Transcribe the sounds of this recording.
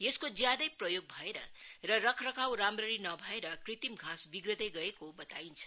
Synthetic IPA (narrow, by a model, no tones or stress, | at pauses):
jeskod͡zjad̪ʌjprʌjoɡ̚bʱʌeɾʌ̰rʌrʌkʰrʌkʰawɾamrʌɾinʌbʱʌeɾʌkrit̪imɡʱãsbiɡrʌt̪eɡʌekobʌt̪aint͡sʰʌ̥